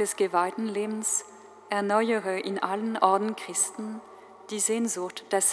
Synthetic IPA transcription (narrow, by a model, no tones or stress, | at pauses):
d̥ɛsɡ̥əvaɪdn̩leːbn̩s | ʔɛɐnɔʏəʁəʔɪnʔalənʔɔɐdn̩kʁ̥ɪstn̩ | d̥iːzeːnzʊʁtd̥ɛs